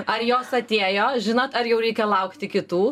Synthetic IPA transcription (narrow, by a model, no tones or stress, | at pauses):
ɐrjoːsɐt̪ʲeːjoːʒʲɪnoːt̪ɐɾjɛʊɾʲɛɪkʲɛlˠɐʊkt̪ʲɪkʲɪt̪uː